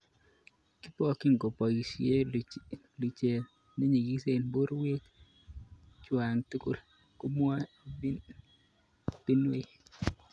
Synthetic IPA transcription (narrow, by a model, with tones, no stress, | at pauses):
kɪ˦pɔ˦kɪ˦ŋ˨ɡo˨pɔ˨ji˨si˦e˦ | li˨t͡ʃe˨ | ne˦ɲi˨ɡi˦se˨nbo˦ɾwe˦t | t͡ʃwa˨ŋt̪u˦kʊ̰˦˨l | ko˦m˦a˦ | b̥i˦nwe˦˨